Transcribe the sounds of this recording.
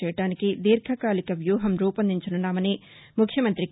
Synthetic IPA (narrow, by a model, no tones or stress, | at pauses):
ɛːjɐʈaːnikid̪iːɾkʰɐkaːlikɐʋjuːɦɐmɾuːpɐnd̪iɲt͡ʃununːaːmɐni | mukʰjɐmɐnt̪ɾi